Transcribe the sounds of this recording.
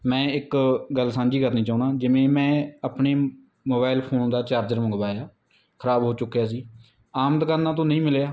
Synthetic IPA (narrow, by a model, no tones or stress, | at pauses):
mɛ̃ːɪkɡəlsãːnd͡ʒiːkəɾnĩːt͡ʃaːuːnãːd͡ʒɪʋẽːmɛ̃ːəpɳeː | moːbaːɪlpʰoːnd̪aːt͡ʃaːɾd͡ʒəɾmʊ̃ŋɡbaːjaː | kʰəɾaːbɦoːt͡ʃʊkːjaːs̬iː | aːmd̪kaːnːaːt̪̬õːnəĩːmɪlejaː